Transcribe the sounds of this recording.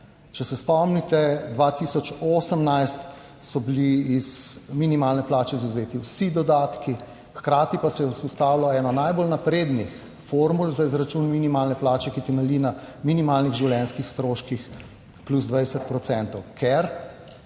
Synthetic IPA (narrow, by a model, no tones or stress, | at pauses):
t͡ʃɛsɛspɔmnit̪ɛd̪ʋaːt̪isɔt͡ʃoːsəmnajst̪ | sɔbiliizminimaːlnɛplaːt͡ʃɛizawzeːt̪iwsid̪ɔd̪aːt̪ki | xkɾaːt̪ipasɛjɛwspɔst̪aːwilɔɛːnɔnajbolnapɾed̪nix | foːɾmulzaizɾat͡ʃunminimaːlnɛplaːt͡ʃɛkit̪ɛmɛlinaminimalniɣʒiwljɛnskixst̪ɾoːʃkix | pluzd̪ʋajsɛt̪̚pɾɔt̪sɛnt̪ɔwkʰɛɾ